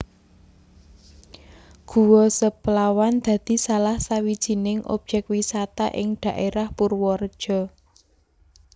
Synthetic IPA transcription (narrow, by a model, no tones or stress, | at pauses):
ɡ̥uwɔsəplawand̪̥ä̤d̪̥i̤salahsawid̥ʒ̥i̤nɪŋʔo̰b̥̚ʒ̥ɛk̚wisat̪aʔɪŋd̪̥ä̤ʔeɾahpurwɔrd̥ʒ̥ɔ̤